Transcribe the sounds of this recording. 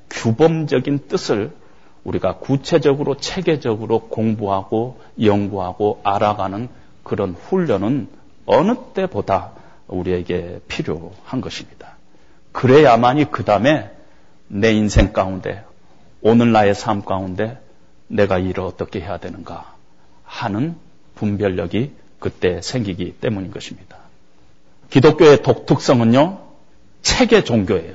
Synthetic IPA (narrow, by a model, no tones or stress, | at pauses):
kjubʌmd͡ʑʌɡint͈ɯsʰɯɭ | uɾiɡakut͡ɕʰe̞d͡ʑʌɡɯɾʔot͡ɕʰe̞ɡe̞d͡ʑʌɡɯɾokoŋbuɦaɡ̥o | jʌŋɡuɦaɡoaɾaɡanɯn | kɯɾʌnɸuʎːʌnɯn | ʌnɯt͈e̞boda | uɾie̞ɡe̞pʰiɾjohanɡʌɕʰimɲid̥ḁ | kɯɾe̞jamaɲikɯdame̞ | ne̞insʰe̞ŋk͈aunde̞̰ | onɯnːae̞sʰamk͈aunde̞ | ne̞ɡaiɾɯʌt͈ʌkʰe̞ɦe̞jadwe̞nɯnɡa | hanɯn | pumbjʌʎːʌɡi | kɯt͈e̞sʰe̞ŋɡiɡit͈e̞muɲinɡʌɕʰimɲid̥ḁ | kidok͈joe̞tok̚tʰɯk̚s͈ʌŋɯnjo | t͡ɕʰe̞ɡe̞t͡ɕoŋɡjoe̞jo